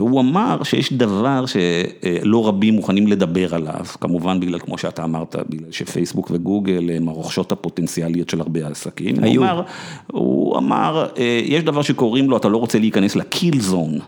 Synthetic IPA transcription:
veuamaʁʃejeʃd̪avaʁʃe̞lo̞ʁabimːuχanimle̞d̪abe̞ʁala̰vkamuvanbiɡlalkmo̞ʃeat̪aːmaʁt̪ʰa̰biɡlalʃefejsbukveɡuɡelemaʁoχʃo̞thapo̞t̪ent͡sialijo̞tʃelaʁbeasakim̰a̰maʁhṵa̰ma̰ʁejʔeʃd̪avaʁʃe̞ko̞ʁimloatalo̞ʁot͡seliikaneslakʰilzon

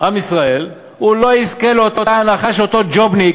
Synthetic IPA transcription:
ʔamisʁae̞l | ulo̞izkelot̪oaːnaχaʃeot̪o̞d͡ʒobni

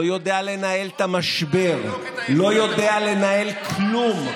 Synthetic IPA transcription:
ojo̞d̪eale̞nae̞lt̪amaʃbe̞ʁ | lo̞jo̞d̪e̞ale̞nae̞lklum

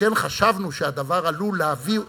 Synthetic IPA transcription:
enχaʃavnuʃead̪avaʁaluleavi

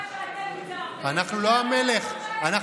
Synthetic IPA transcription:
anaχnuloameleχana

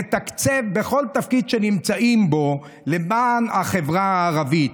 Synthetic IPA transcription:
et̪akt͡sevbe̞χo̞lt̪afkid̪ʃe̞nimt͡saʔimbo̞ | le̞maːnaχe̞vʁaaːʁavit̪

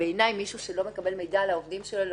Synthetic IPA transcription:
eːnajmiʃuʃelo̞me̞kabe̞lme̞jdaːlaovdimʃelol

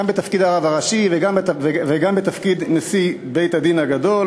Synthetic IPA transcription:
ambet̪afkid̪aːʁavaʁaʃiveɡambvveɡambet̪afkid̪nesi | be̞jt̪hadinhaɡad̪o̞l

